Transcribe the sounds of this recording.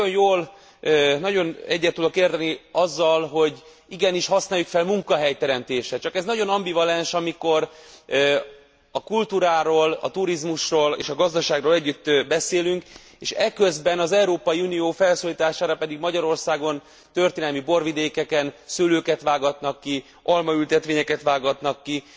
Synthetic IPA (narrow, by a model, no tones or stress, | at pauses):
onjoːl | nɒɟo̞nɛɟːɛt̪ːud̪o̞keːrd̪ɛniɒzːɒlɦo̞ɟ | iɡɛniʃhɒsnaːjːukfɛlmuŋkɒɦɛjt̪ɛɾɛmt̪eːʃɛt͡ʃɒkɛznɒɟo̞nɒmbivɒlɛnʃɒmiko̞r | ɒkult̪uːɾaːɾoːlɒ̰t̪uɾizmuʃroːlḛːʃɒɡɒzd̪ɒʃaːɡroːlɛɟːyt̪ːbɛseːlyŋk | eːʃɛkø̞zbɛnɒzɛuɾoːpɒjiunijoːfɛlsoːliːt̪aːʃaːɾɒpɛd̪iɡmɒɟɒɾo̞rsaːɡo̞n | t̪ø̞rt̪eːnɛlmibo̞rʋid̪eːkɛkɛnsøːløːkɛt̪ʋaːɡɒt̪nɒkːi | ɒlmɒylt̪ɛt̪ʋeːɲɛkɛt̪ʋaːɡɒt̪nɒkːi